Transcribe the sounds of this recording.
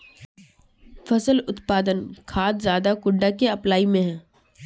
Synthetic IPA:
fɐsəlʊt̪paːd̪ənkʰaːt̪zjaːd̪akʊɳɖakeɐplaːimẽɦɛ̃ː

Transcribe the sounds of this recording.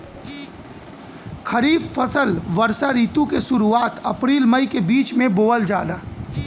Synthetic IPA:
kʰəɾiːbfəsəlʋəɾsaɾiːt̪ukeʃʊɾuaːt̪ɐpɾiːlməikebiːt͡ʃmẽboːəld͡ʒaːd̪aː

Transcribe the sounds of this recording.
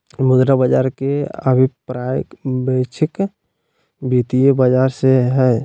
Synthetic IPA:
mʊd̪ɾabəd͡ʒaːɾkeə̰bʱɪpɾaːjəbəɪt͡ʃʰɪk | biːt̪ijebəd͡ʒaːɾseɦɛː

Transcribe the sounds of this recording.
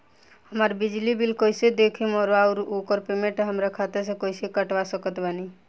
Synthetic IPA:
həmaɾbid͡ʒlibilkojsed̪ekʰimɔɾaʊɾokəɾpemẽʈɦəmɾakʰat̪eɾsẽkojsekəʈʋasəkət̪bani

